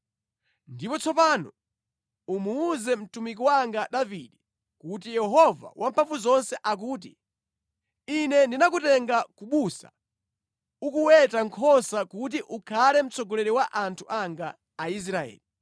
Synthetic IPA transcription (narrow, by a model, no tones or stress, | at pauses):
ndipɔt͡sʰɔpaːnɔ | umuːzɛm̩tumik̬iwaŋɡaɗaviɗɛ | kut̬ijɛɦɔva̰wʔampʰaɱfuzɔnsɛʔak̬uːt̬i | inɛndinak̬utɛŋɡakuɓusḁ̰ | ukuwɛtaŋkʰɔsakutiʔukʰalɛm̩t͡sɔɡɔlɛɾiwaʔantʰuʔaŋɡaː | is̬ɾaɛ̰ːli